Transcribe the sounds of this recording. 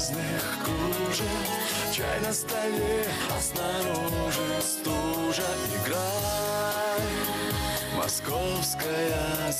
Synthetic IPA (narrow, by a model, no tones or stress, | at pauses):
znɨxkuʐɨ | t͡ɕajnɐst̪ɐlʲe | ɐsnaɾonuʐɨst̪uʐɐɪɡɾa | mɐ̰skofskəjɐ